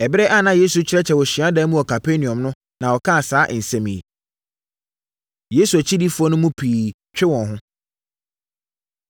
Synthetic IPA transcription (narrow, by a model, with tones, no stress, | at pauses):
ɛ˨bɪ˦ɾɛ˦ʔa˦nã˦je˦su˨t͡ɕʰɪ˦ɾɛ˦t͡ɕʰɛ˨wɔ˨ɕi˨a˦daː˦mũ˦ɔ˨kʰa˨pʰe˦nĩ˨ɔ̃˨mnʊ̃˦ | nã˨wɔ˨kʰã˦a˨saː˦ʔɪ˨n̩˨sɛ̃˦mĩ˨ḛ˨ | je˦su˨æ˨t͡ɕʰi˦di˦fu˦ɔ˦nʊ̃˦mũ˦pʰiː˨ | t͡ɕᶣɪ˦wɔ̃˨nɦʊ̃˦